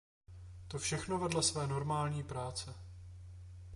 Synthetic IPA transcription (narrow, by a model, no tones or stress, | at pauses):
t̪o̞fʃɛxnovɛdlasvɛːno̞ɾmaːlɲiːpɾaːt͡sɛ